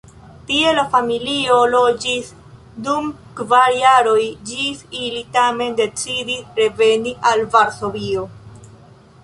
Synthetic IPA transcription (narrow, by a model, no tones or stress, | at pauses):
tie̞lafamilio̞lo̞d͡ʒis | dum | kvaɾjaɾo̞jd͡ʒisilitame̞nde̞t͡sidisɾe̞ve̞niʔalvaɾso̞vio̞